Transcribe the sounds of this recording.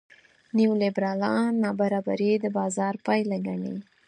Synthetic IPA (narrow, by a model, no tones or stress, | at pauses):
niwlebɾɑlɑːɑbaɾɑba̰ɾid̪əbɑzɑɾpajlaɡaɳḭ